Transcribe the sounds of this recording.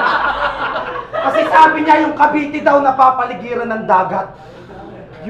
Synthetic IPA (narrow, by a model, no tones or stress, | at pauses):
kɐsɛsaːbɪɲajʊŋkɐbiːt̪ɪd̪awnɐpaːpɐlɪɡiːɾɐnɐŋd̪aːɡɐt̪̚ | j